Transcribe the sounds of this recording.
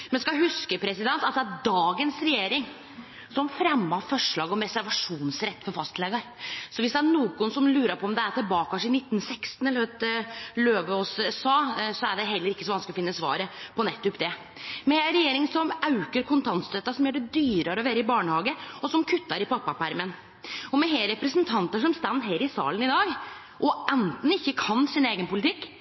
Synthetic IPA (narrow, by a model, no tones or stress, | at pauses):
mɛnskɑɦʉskəpʰɾɛsɪd̪ɛnt̪ɑt̪̚d̪ɛæɾd̪ɑːɡənsɾɛjeːɾɪŋ | sɔmfɾɛmːɑfɔʂɭɑːɡɔmɾɛsæɾʋɑʂuːnsɾɛt̪ːfɔɾfɑst̪lɛɡɑɾsɔʋɪsd̪ɛæɳuːɡʊnsɔmlʉːɾəpʰɔɔmd̪ɛæʈ̪ɪlbɑːkʰɑʂɪnɪt̪ːn̩sɛkst̪n̩ɛlːəhøːt̪løːʋəɔssɑːsɔæɖɛɦɛlːəɾɪkːəsɔʋɑnsklɪɔfɪnːəsʋɑ̰ːɾəpʰɔnɛt̪ːʊpd̪ɛ | mɛɾɛjeːɾɪŋsɔmɑʉkəɾkʰʊnt̪ʰɑnsd̪øːt̪ːɑsɔmjøːɖɛd̪yːɾɑɾəɔʋeːɾəɪbɑːɳəhɑːɡəɔsɔmkʰʉt̪ːɑɾɪpʰɑpːɑpæɾmən | ɔmɛɦeːɾɛpɾəsnt̪ʰɑnt̪əʂɔmst̪ɑnːd̪ɦeːɾɪsɑ̰ːlənɪd̪ɑːɡ | ʔɔʔɛnt̪n̩ɪçːəkʰɑnsɪneːɡənpʊlɪt̪ʰɪkː